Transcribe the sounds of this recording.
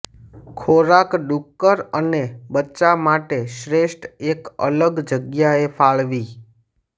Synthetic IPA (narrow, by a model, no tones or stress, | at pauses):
kʰoɾakɖukːəɾənebətːt͡ʃamaʈeʃɾeʃʈʰekə̰ləɡd͡ʒəɡjaefʰaɭʋi